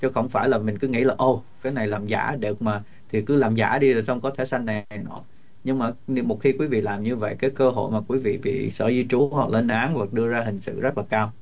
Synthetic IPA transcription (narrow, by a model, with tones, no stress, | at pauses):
t͡ɕɔ˧xə̰˧˩wŋ͡mfaː˧˩jlaː˨˩mï˨˩ŋ̟kɨ˨˦ŋḭ˧˥laː˨˩ʔo˧˩kaː˨˦jna˨˩jlaː˨˩mza̰ː˧˩ɗe˨˩k̚maː˨˩ | t̪ʰi˨˩kɨ˨˦laː˨˩mza̰ː˧˩ɗi˧aː˨˩sə˧wŋ͡mkɔ˨˦t̪ʰe˧˩sa˧jŋ̟na˨˩jnɔ̰˧˩˦ | ɲɨ˧ŋmaː˨˩˧mo˨˩t̚xi˧kwi˨˦vḭ˧˨laː˨˩mɲɨ˧və̰˧˨jkaː˨˦jkəː˧ɦo̰˧˨jmaː˨˩kwi˨˦vḭ˧˨ɓḭ˧˨sə̰ː˧˩zi˧t͡ɕu˨˦ha˨˩k̚lə˧nʔaː˨˦ŋva˨˩k̚ɗɨ˧əzaː˧ɦï˨˩ŋ̟sɨ̰˧˨zə˦˥t̚laː˨˩kaː˧w